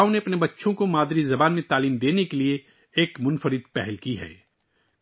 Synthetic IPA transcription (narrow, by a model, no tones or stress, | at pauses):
õneɐpnebɐtːʃʰõkomaːd̪ɾizɐbaːnmẽt̪aːliːmd̪eːnekelieː | kmʊnfəɾɪd̪̚pɛɦɛlkiɦɛ̰ː